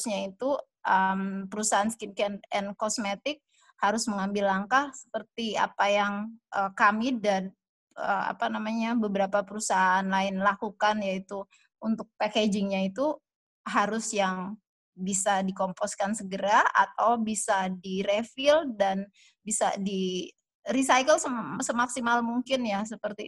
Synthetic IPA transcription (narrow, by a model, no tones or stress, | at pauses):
ɲait̪u | ʔəmpəɾusaɦansə̥kinkɛnɛnkɔsmet̪ɪk̚ | haɾʊsməŋambɪlːaŋkahsə̥pərt̪ia̰pajaŋʔəkamidan | ə̰a̰panamaɲabəbəɾapapəɾusaɦaːnlaɪnlakukanjait̪u | unt̪ʊk̚paked͡ʒɪŋɲait̪u | ɦaɾʊsjaŋ | bisadikɔmpɔskansəɡəɾaa̰t̪awbisadiɾefɪldan | bisa̰di | risajkəlsəsəmaksimalmuŋkɪnjasəpərt̪i